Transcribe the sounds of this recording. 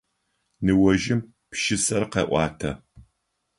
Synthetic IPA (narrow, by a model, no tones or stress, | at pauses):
nɨwɔʒɪm | pʃɪsɐrqḛːʔʷɑːtʰɐ